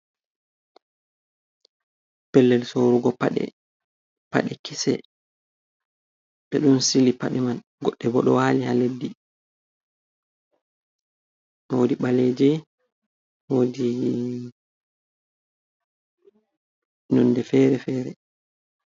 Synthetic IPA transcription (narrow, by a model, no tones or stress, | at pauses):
pɛlːɛlsoɾuɡɔpaɗɛ̰ | pa̰ɗɛkisɛ̰ | ɓɛɗunsilipaɗɛman | ɡɔɗːɛbɔɗɔwaːlihaledːi | nɔwodiɓaled͡ʒɛ | wodi | nɔnːdɛfɛɾɛfɛːɾɛ